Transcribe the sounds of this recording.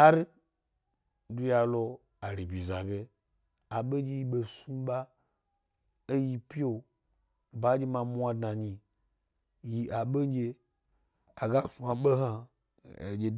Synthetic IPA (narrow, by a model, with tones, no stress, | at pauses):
a˦ɾi˦ | du˧ja˨lo˧ | a˨ɾi˨bi˨za˨ɡe˧ | a˨ɓe˦d͡ʒe˧˦ji˦ɓe˧su˦ɓa˦ | e˦ji˧pi˦o˨ | ba˨˦d͡ʒe˧ma˧mu˦a˧dna˨ɲi˨ | ji˨ʔa˨ɓe˦d͡ʒe˧ | a˨ɡa˦su˨a˨ɓe˦ɦa˦˨ | d͡ʒe˧